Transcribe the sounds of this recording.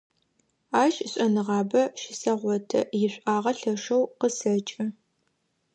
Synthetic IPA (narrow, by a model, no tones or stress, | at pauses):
aːʃʼɕʷʼɐnɨʁɑːbɐʃɪsɐʁʷɔtʰɐ̰jɪɕʷʼʔaːʁɐɬɐʂɐwqəsɐt͡ʃʼɪ